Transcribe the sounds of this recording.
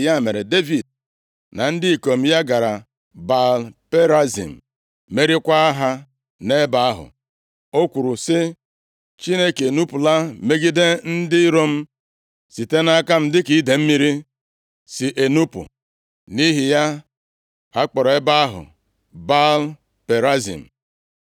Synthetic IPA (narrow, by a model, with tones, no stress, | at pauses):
ja˦˨me˨ɾe˨de˦vi˨d̚ | na˨n̩˦dɪ˦i˨ko˨m̩˦ja˦ɡa˨ɾa˨ | ba˨lpe˦ɾa˦zḭ˨m̩˨ | me˦ɾi˦kʷa˦a˦ɦa˦ | ne˦ba˦a˦ɦʊ̰˨ | o˦kʷu˨ɾu˨sɪ˦ | t͡ʃi˦ne˦ke˨nu˦pu˨la˦me˦ɡi˦de˦n̩˦dɪ˦ɾo˦m̩˦ | si˨te˦na˦ka˦m̩˦dɪ˦ki˨i˦de˨m̩˦mi˦ɾi˦ | si˨ʔe˨nu˦pṵ˨ | ni˦ɦi˨ja˦ | a˦k͡pɔ˨ɾɔ˨e˦ba˦a˦ɦʊ̰˨ | ba˦l | pe˨ɾa˦zḭ˨m̩˨